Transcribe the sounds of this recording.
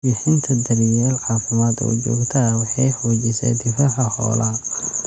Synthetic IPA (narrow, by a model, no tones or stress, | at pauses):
bɪħɪnt̪ʰɐd̪ɐɾɪjɛːlʕɑːfɪmaːd̪ɔ̰ːt͡ʃɔ̰ːɡt̪ʰɐwɑħɑjħɔːt͡ʃɪsɛ̰ːd̪ɪfaːħɐhɔ̰ːlʔɐɦɐ